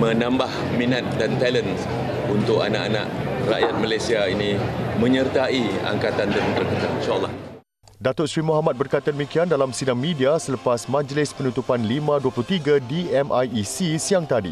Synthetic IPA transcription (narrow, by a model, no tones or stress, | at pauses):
mə̃nãmbah | mĩnat̪̚dant̪ɛləns | unt̪ʊka̰na̰ʔana̰ʔra̰ʔjat̪̚malajsiainĩmə̃ɲərt̪aia̰ŋkat̪and̪ənt̪ərkət̪alinʃaʔəlːɑh | dat̪ʊʔsɾimuɦamat̪̚bərkajt̪adəmikiandalamsidaŋmidiasələpasmãd͡ʒlɪspənut̪upanlimãduapəlʊht̪iɡadiɛmʔajisisiaŋt̪adḭ